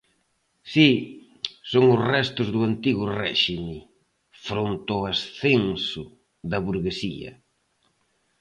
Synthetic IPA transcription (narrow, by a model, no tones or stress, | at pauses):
si | soŋʊsrɛst̪ʊzðʊant̪iɣʊrɛʃimɪ | fɾont̪oasθensʊ | ðɐβuɾɣesḭɐ̰